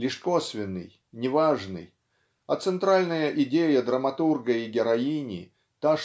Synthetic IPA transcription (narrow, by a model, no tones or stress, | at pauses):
lʲɪʂkosvʲɪnːɨ̰j | nʲɪvaʐnɨ̰j | ɐt̪sɨnt̪ɾalʲnəjəʔɪdʲejəd̪ɾəmɐt̪urɡəiɡʲɪɾɐinʲɪ̰ | t̪a